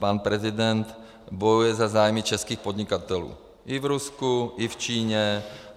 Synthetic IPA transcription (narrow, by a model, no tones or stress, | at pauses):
paːnpɾɛzid̪ɛnt̪ | bojujɛzazaːjmit͡ʃɛskiːxpod̪ɲikat̪ɛlṵː | ʔivɾuskuift͡ʃiːɲɛ